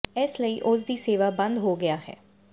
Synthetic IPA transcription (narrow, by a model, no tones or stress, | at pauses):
ɪsləiːʔʊsd̪iːseːʋaːbə̃nd̪ɦoːɡɪaːɦɛ̰ː